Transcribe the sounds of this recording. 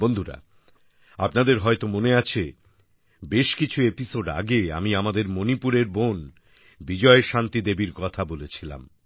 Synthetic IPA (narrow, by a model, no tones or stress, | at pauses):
bond̪ʱuɾa̰ | apnad̪eɾɦɔet̪omoneat͡ɕʰe | beʃkit͡ɕʰuepisoɖa̰ɡea̰miamad̪eɾmonipuɾeɾbon | bid͡ʑɔeʃant̪id̪ebiɾkɔt̪ʰabolet͡ɕʰila̰m